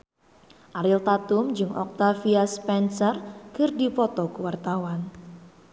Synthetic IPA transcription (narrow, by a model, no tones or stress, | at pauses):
ʔaɾɪlt̪at̪ʊmd͡ʒɨŋʔɔ̰k̚t̪afiaspɛnsərkɨrdipɔt̪ɔkuwart̪awan